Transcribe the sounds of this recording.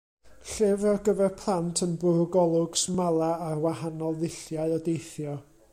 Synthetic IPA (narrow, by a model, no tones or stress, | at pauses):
ɬɪvarɡəvɛrpʰlˠantʰənbʊrɡɔlˠʊɡ̥smalˠaarwahanɔlˠðɪɬjaɨɔdejθjɔ